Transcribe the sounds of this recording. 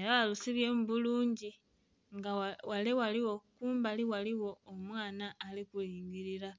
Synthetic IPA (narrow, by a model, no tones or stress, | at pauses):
eɾaalusiβje̞ːmuβuluːɲɟi | ŋɡawalewaliwo̞kuːmbaliwaliwo̞omwaːnaːlikuliːɲɡiɾiɾa